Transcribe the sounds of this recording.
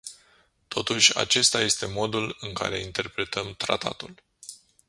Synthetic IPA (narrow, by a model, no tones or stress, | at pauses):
t̪ʰo̞t̪uʃʲa̰t͡ʃe̞st̪aje̞st̪e̞mo̞d̪ulɨŋka̰ɾe̞int̪e̞rpɾe̞t̪əmt̪ɾa̰t̪a̰t̪ul